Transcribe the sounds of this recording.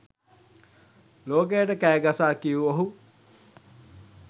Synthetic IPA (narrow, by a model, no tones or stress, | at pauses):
loːkejəʈəkæːɡasaːkijuoɦu